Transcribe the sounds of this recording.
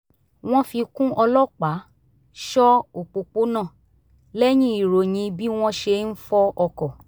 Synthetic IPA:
w̃ɔ̃˦fi˧kũ˦ʔɔ˧lɔ˦˨k͡pa˨˦ | ʃɔ˦o˨k͡po˨k͡po˦nã˦˨ | lɛ˦j̃ĩ˦i˨ɾo˨j̃ĩ˧bi˦w̃ɔ̃˦ʃe˧n̩˦fɔ˦ɔ˧kɔ˨

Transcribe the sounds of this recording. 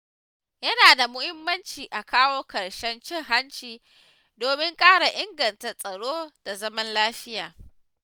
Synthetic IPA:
jɐ˦naː˨da˨mʊ˦hɪ˦mːɐ˦nt͡ʃiː˨ʔa˨kaː˦woː˦kɐ˨ɽʃɛ˦nt͡ʃɪ˦ŋɦa˦nt͡ʃiː˨ | doː˨mɪ˦ŋkʼaː˦ɽa˨ʔɪ˦ŋɡɐ˨nta˨rsʼɐ˨ɽoː˦d̥a˨zɐ˦mɐ˦nlaː˦ɸɪ˦jaː˨

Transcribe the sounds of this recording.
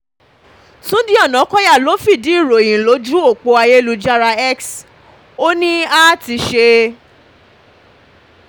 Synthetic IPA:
tũ˨˦di˦ɔ˦˨nã˨˦kɔ˦ja˦˨lo˨˦fi˦˨di˨˦i˦˨ɾo˨ĩ˨lo˨˦d͡ʒɾũ˦o˦˨k͡po˧˦a˧je˦lu˧d͡ʒa˦ɾa˧ɛ˦ks | o˦nĩ˦a˦˨ti˧ʃe˧

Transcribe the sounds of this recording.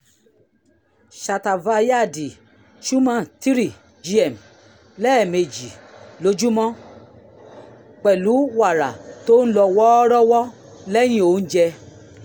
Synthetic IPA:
ʃa˨ta˨va˧ja˦˨di˨ | ʃu˦mã˦˨ti˦ɾi˦˨ | d͡ʒi˧˦ɛ˨m | lɛ˦˨me˨d͡ʒi˨lo˨˦d͡ʒu˦mɔ̃˦ | k͡pɛ˨lu˨˦wa˦˨ɾa̰˨to˦n̩˦lɔ˧wɔ˦ɾɔ˦wɔ˦ | lɛ˦j̃ĩ˦o˨n̩˦d͡ʒɛ˧

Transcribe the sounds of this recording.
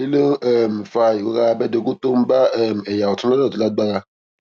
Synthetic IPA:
i˦le˦ɛ˦˨m˨fa˧i˨wo˦ɣa˧bɛ˦de˧˨ɡu˦to˦m̩˦ba˦ɛ˦˨m˨ɛ˨ja˨ɔ˨tu˦ɔ˦ɔ̃˦˨to˨˦la˦ɡ͡ba˦ɣa˧

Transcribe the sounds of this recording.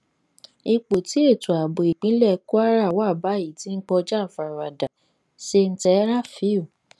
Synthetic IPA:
i˧k͡po˨ti˨˦e˦˨tu˨a˨bo˨i˨k͡pĩ˨˦lɛ˦˨˦ku˦a˦ɾa˦˨wa˦˨ba˨˦ji˨ti˦n̩˦k͡pɔ˧d͡ʒa˦˨fa˨ɾa˨da˨ | se˧n̩˦tɛ˨˦ɾa˦˨fi˨˦o˨

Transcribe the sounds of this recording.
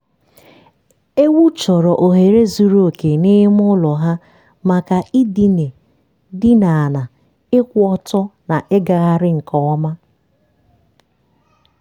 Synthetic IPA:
e˦wu˦t͡ʃɔ˨ɾɔ˨ʔo˨ɦe˨ɾe˦zu˨ɾo˦˨ke˨ni˦ɪ˦m˦ʊ˦lɔ˨ɦa˦ | ma˨ka˨i˦di˨ne˨ | dɪ˦na˨a˨na˨ | ɪ˦kʷɔ˦tɔ˦na˨ʔɪ˦ɡa˨ɣa˨ɾɪ˦ŋ̩˨kɔ˨ɔ˦ma˦

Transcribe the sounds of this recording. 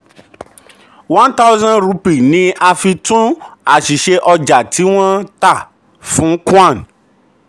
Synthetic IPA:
wã˦nta˦wzã˦nɾu˧pi˨nĩ˦ʔa˧fi˧tũ˦a˨ʃi˨ʃe˧ʔɔ˧d͡ʒa˨tʰi˨˦w̃ɔ̃˦ta˦˨ | fũ˨˦kũ˦ã˦˨n

